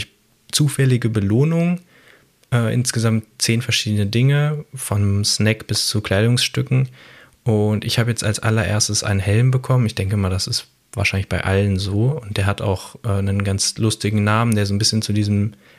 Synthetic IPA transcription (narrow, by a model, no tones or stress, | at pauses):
ç | t͡suːfɛlɪɡəbəloːnʊŋ | ʔɛːʔɪ̰nsɡ̥əzamtt͡seːnfɛɐʃiːdənədɪŋəfɔnsnɛkb̥ɪst͡sukl̥aɪdʊŋsʃtʏkŋ̩ | ʔʊntɪçhaːbəjɛt͡stalsʔa̰lɐʔḛːɐstəsʔa̰ɪnənhɛlmbəkʰɔmənɪçd̥ɛŋkəɪmaɐdasɪst | vaːɐʃaɪnlɪçb̥aɪʔa̰lənzoːʊnt̚d̥eːɐhata̰ʊxʔɛːnənɡant͡slʊstɪɡŋ̩naːmən̩deːɐzoːnbɪsçənt͡sudiːzm̩